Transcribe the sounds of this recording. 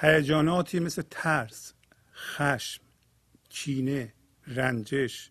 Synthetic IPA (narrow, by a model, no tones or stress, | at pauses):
hæjæd͡ʒɒːnɒːt̪ʰiːmeslet̪ʰæɾs | xæʃm | t͡ʃʰiːne | ɾænd͡ʒeʃ